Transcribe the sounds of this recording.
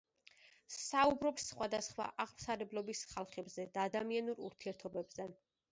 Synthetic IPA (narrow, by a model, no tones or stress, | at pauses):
saubɾɔpsːχwad̪asχwa̰ʔaʁmsaɾɛblˠɔbisχalˠχɛbzɛd̪aːd̪amianuɾṵɾt̪ʰiɛɾt̪ʰɔbɛbz̥ɛ